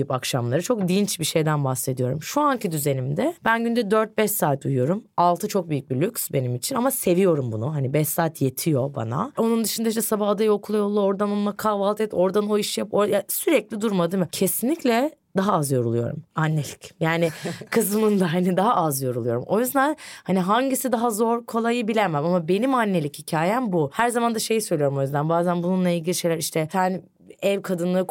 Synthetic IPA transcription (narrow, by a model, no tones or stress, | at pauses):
ypakʃamlˠaɾɯt͡ʃʰo̞k̚d̪int͡ʃbiʃe̞jd̪ænbahse̞d̪ijo̞ɾumʃuancʰid̪yze̞nimd̪ɛb̥ænɟynd̪ɛd̪øɾt̪̚bɛʃsaːt̪ʰujujo̞ɾumalˠt̪ʰɯt͡ʃʰo̞k̚byjyc̚ʲbilʲycʲsbe̞nimit͡ʃʰinamase̞vijo̞ɾumbunuɦanibɛʃsaːt̪ʰje̞t̪ʰijo̞ba̰na̰o̞nund̪ɯʃɯnd̪aiʃd͡ʒ̪ɛsabahad̪ajo̞kʰulˠajolˠːaoɾd̪anolˠmakʰaːvalˠt̪ʰɛt̪o̞ɾd̪ano̞iʃjapoɾjasyɾɛclʲid̪uɾmad̪ɯmɯcʰe̞sinlʲiclʲɛ | d̪aɦaazjo̞ɾulˠujo̞̰ɾṵmanːe̞lʲicjaːnɪkʰɯzmɯnd̪aɦanid̪aɦaʔazjo̞ɾulˠujo̞ɾṵmʔo̞jyzd̪ænhaniɦaɲɟisid̪aɦazo̞ɾkʰo̞lˠajɯbilʲæɾmæmamabe̞nimanːe̞lʲichicʰaːjæmbuhæɾzamand̪aʃe̞jisøjlʲijɾumo̞jyzd̪ænbaːzænbununlˠailʲɡɟilʲiʃe̞jlʲæɾiʃt̪ʰɛsæn | ɛvkʰad̪ɯnlˠɯɯ